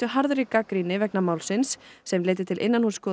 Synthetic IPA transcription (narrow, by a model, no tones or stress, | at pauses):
ʏɦaɾðɾikːakɾinɪvɛknamaːwlsɪnsːɛmleːjt̪ɪt̪ʰɪlʔḛjnːanhuːskɔː